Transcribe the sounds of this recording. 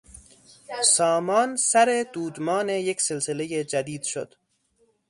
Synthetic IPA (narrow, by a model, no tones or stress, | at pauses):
sɒːmɒːnsæɾe̞d̪̥uːd̪mɒːnejecʰse̞lsele̞jed͡ʒæd̪iːd̪̥ʃo̰d̪̥